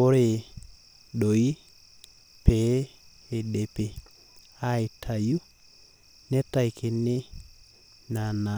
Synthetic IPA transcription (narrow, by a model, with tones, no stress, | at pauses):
o˦ɾe˨ | ɗo˨i˦ | pɛ˨˦ | e˨ɗe˨pe˨ | a˦e˨tʰa˨ju˦ | nɛ˦ta˦i˨kʰe˨ne˦ | na˨na˨